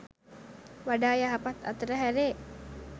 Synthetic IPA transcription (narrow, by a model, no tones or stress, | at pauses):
ʋaɖaːjaɦapat̪a̰t̪əɾəɦæɾeː